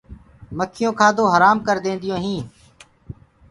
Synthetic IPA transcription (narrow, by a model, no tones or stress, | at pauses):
məkʰɪjõːkʰaːd̪õːɦəɾaːmkəɾd̪ẽːnd̪ɪjõːɦĩː